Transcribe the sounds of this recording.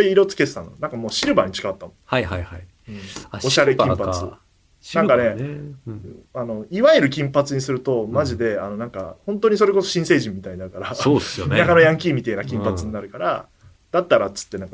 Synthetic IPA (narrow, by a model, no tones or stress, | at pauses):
iiɾo̞t͡sɨ̥ke̞se̥t̪ã̰nonãŋkamo̞ːɕiɾɯ̟baɲ̟it͡ɕi̥kaat̪ːamohajhajhai | ɯ̟̃ɴoɕaɾekʲĩpat͡sɨ | nãkane̞ | ano̞iβaeɾɯ̟k̬ʲĩmpat͡sɨɲ̟isɨɾɯ̟t̪o̞maʑid̪e̞anonãŋka̰hõnt̪o̞ːɲ̟iso̞ɾe̞ko̞so̞ɕĩse̞ːʑĩmːit̪aiɲinaɾɯ̟kaɾaoːsjonnakano̞jãŋk̬ʲiːmʲit̪einakʲĩmpat͡sɨɲ̟inaɾɯ̟kaɾa̰ | d̪̥at̪ːaɾat͡sɨ̥t̪ːe̞nãŋka